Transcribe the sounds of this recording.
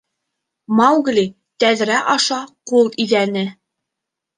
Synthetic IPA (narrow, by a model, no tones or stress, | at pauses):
mɑwɡlʲi | t̪æðɾæʔɑʃɑqulˠiðænɘ